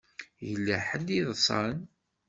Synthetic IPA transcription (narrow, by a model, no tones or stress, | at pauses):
jəlːæħəliðˤsˤɑ̰n